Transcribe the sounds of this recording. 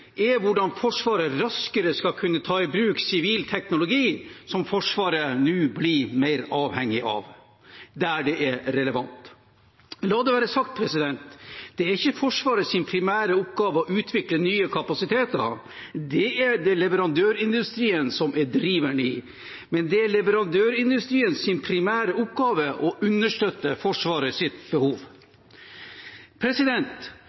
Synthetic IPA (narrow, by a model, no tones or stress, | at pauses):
ɛʋʊɖɑnfɔʂʋɑːɾəɾɑskəɾəskɑkʰʉnːət̪ʰɑːɪbɾʉːksɪʋiːlt̪ʰɛknʊlʊɡiːsɔmfɔʂʋɑːɾənʉːblimæɪɾɑːʋhɛŋːɪʔɑ̰ʋ | d̪æɖɛʔɛɾɛləʋɑnt̪ | lɑːd̪ɛʋæːɾəsɑk̚t̪̚pʰɾɛsɪd̪ɛnt̪d̪̥ɛæɾɪçːəfɔʂʋɑːɾəsɪnpʰɾɪmæːɾəɔp̚ɡɑːʋəɔʔʉːt̪ʰʋɪklənyːəkʰɑpɑsɪt̪ʰeːt̪ə̰ɾ | d̪ɛæɖ̪ɛlɛʋəɾɑnd̪øːɾɪnd̪ʉst̪ɾiːənsɔmɛɖɾiːʋəɳəɪ | mɛnd̪ɛæɭɛʋəɾɑnd̪øːɾɪnd̪ʉst̪ɾiːənsɪnpʰɾɪmæːɾəʊpɡɑːʋəʔɔʔʉnːəʂʈøt̪ːəfɔʂʋɑːɾəsɪt̪bəhuːʋ | pʰɾɛsɪd̪ɛnt̪